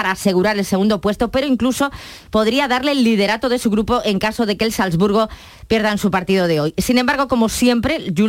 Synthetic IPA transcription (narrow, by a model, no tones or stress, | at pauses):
aɾaːse̞ɣ̞uɾaɾe̞lse̞ɣũnd̪o̞pwe̞st̪o̞pe̞ɾoiŋkluso̞ | po̞ðɾiaðaɾle̞ːlːið̞e̞ɾat̪o̞ð̞e̞suɣ̞ɾupo̞ʔe̞ŋkaso̞ð̞eke̞ːlsalzβuɾɣ̞o̞ | pje̞ɾð̞aensupaɾt̪iðoðe̞o̞jsinembaɾɣ̞o̞ko̞mo̞sje̞mpɾe̞ʝu